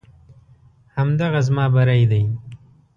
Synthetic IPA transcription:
hamd̪aɣazmɑːbaɾajd̪aj

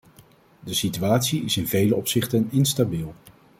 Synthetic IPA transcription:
dəsityaːtsiɪsɪnvejləɔpsɪχtənɪnstabilˠ

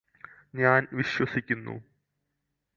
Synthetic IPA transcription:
ɲaːnʋiɕwɐsikʲːunːṵ

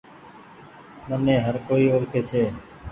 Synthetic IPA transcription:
mənẽːɦəɾkoːiːoːɾt̪ʰeːt͡ʃʰeː

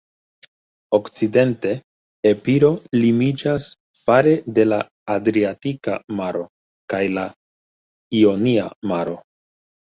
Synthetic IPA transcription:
o̞kt͡side̞nte̞ː | piɾo̞limid͡ʒas | faɾe̞de̞la̰ː | dɾiatika̰maɾo̞ | kajla | io̞niamaɾo̞

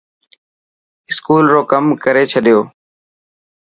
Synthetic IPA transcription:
ɪskuːlɾoːkəmkəɾeːt͡ʃʰəɗɪjoː

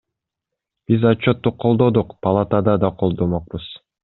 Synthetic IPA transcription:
b̥izɑt͡ʃːot̪ːuqʰːolˠd̪od̪uqpɐlˠat̪ɑd̪ɑd̪ɑqʰo̞lˠd̪omoq̚buz̥

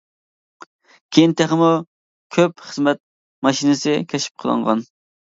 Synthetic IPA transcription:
kʲʰejint̪ʰæχɪmu | kʲʰøpχəzmɛt̪̚ | mɑʃinɨsɪkʲʰɛʃi̥p̚qʰəlˠə̰ŋʁɑ̰n

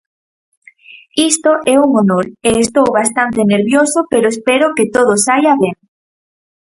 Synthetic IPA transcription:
ist̪oʔɛuŋonoleːst̪owβast̪ant̪eneɾβjosopeɾoespɛɾoket̪oð̞osajaβɛŋ

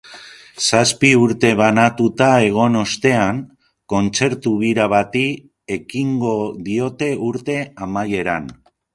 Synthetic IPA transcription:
saspiuɾt̪e̞βanat̪ut̪ae̞ɣ̞o̞no̞st̪e̞aŋ | ko̞nt͡se̞ɾt̪uβiɾaβ̞at̪i | e̞kiŋɡo̞ðio̞t̪e̞uɾt̪e̞amaje̞ɾan

